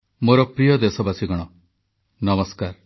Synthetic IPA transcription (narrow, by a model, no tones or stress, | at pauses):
moɾɔpɾijɔd̪esɔbasiɡɔɽ̃ɔ | nɔmɔskaɾ